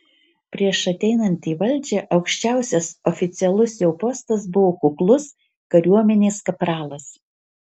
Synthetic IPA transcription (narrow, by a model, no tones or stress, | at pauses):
pʲɾʲiɛʃɐt̪ʲɛɪnɐnʲt̪ʲiːʋɐlʲˑd͡ʒʲɛʔɐʊkʃʲt͡ʃʲæˑʊsʲɛsɔfʲɪt̪sʲɪɛlˠʊsjɛʊpoːst̪ɐsbʊʋoːkʊklˠʊs | kɐɾʲuɔmʲɛnʲeːskɐpɾɑːlˠɐs